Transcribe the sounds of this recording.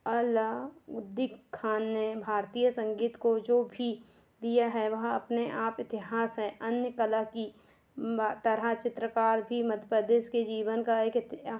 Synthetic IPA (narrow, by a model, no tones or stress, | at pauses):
əlaʊd̪ɪkʰːaːnːebʱaːɾt̪iːjəsə̃ŋɡiːt̪kod͡ʒoːbʱi | d̪ijaɦɛʋɐɦɐpneʔaːpɪt̪ɪɦaːsɦɛ̃ʔɐnjəkəlaki | t̪ɐɾat͡ʃɪt̪ɾəkaːɾbʱimɐd̪ʱʰəpəd̪eːʃked͡ʒiːʋənkaeːkɪt̪